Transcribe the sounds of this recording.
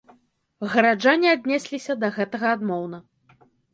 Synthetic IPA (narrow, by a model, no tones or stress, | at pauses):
ɣɐɾad͡ʐanʲiad̪ʲnʲɛsʲlʲisʲɐd̪ɐɣɛt̪ɐɣɐad̪mɔwn̪ɐ